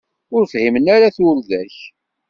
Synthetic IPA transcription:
ʊɾfhimənaɾaθʊɾðæç

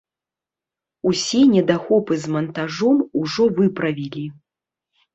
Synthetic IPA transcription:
usʲɛnʲɛd̪axɔpɨzmɐnt̪aʐɔmuʐɔvɨpɾɐvʲilʲi

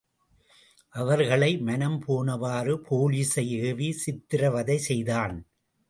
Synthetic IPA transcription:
ʔɐʋɐɾɣɐɭɐɪmɐnɐmpʰoːnɐʋaːrɯpʰoːliːsɐɪeːʋisɪt̪ːɪɾɐʋɐðɐɪsɛjðaːn

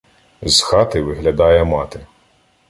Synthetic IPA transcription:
zxɑt̪ɪʋɪɦlʲɐd̪ɑjɛmɑt̪ɪ

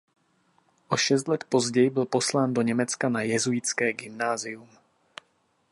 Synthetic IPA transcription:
ʔo̞ʃɛst̪lɛt̪po̞zɟɛjɪbɪlpo̞slaːndo̞ɲɛmɛt͡skanajɛzuɪt͡skɛːɡɪmnaːzɪjum

